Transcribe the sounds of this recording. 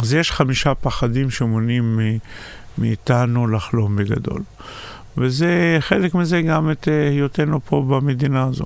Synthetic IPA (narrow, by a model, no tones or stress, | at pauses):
azjeʃχamiʃapaχad̪imʃemonimiː | iːt̪anulaχlo̞mbeɡa̰d̪o̞̰l | veze̞χe̞lekmizeɡametjot̪enupʰo̞bamed̪inaːzo̰